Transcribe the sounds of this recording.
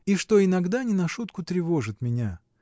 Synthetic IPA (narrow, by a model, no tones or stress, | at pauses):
iʂt̪o̞ɪnɐɡd̪anʲɪnɐʂut̪kʊt̪ɾʲɪvo̞ʐɨt̪mʲɪnʲa